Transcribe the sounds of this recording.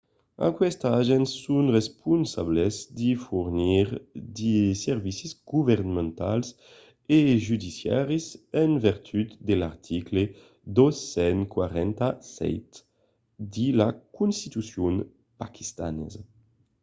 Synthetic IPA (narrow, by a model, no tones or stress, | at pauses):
a̰kwɛst̪aʒɛnsunrespunsablɛzd̪ifuɾniɾd̪isɛɾvisizɡuvɛɾnamẽnt̪a̰ls | eʒyd̪isjaɾizɛnvɛɾt̪ʰyt̪d̪elaɾt̪ʰikle | d̪ɔsːɛnkwaɾɛnt̪asɛ̰jt̪ | d̪ilakunst̪it̪usjun | pakʰi̥st̪anɛ̰z